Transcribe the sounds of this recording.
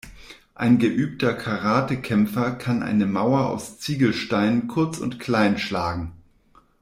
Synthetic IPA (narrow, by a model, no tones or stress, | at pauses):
ʔa̰ɪnɡəʔyːp̚tʰɐkʰaʁaːtəkʰɛmfɐkʰanʔa̰ɪnəmaʊɐa̰ʊst͡siːɡl̩ʃtaɪnənkʰʊɐt͡sʊ̰ntkʰl̥aɪnʃlaːɡŋ̩